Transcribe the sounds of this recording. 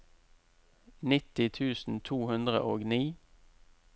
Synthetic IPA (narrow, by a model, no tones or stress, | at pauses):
nɪt̪ɪt̪ʰʉːsn̩t̪ʰuːhʉnd̪ʁə̰ʔoːɡniː